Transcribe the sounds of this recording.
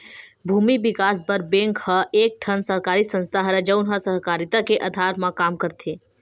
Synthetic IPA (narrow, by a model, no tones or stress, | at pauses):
bʱuːmibɪkaːsbəɾbẽːŋkhəeːk̚ʈʰənsəɦkaːɾisə̃nst̪ʰaɦɾəd͡ʒəʊnɦə̃səɦkaːɾit̪akeʔɐd̪ʱaːɾmãkaːmkəɾt̪ʰi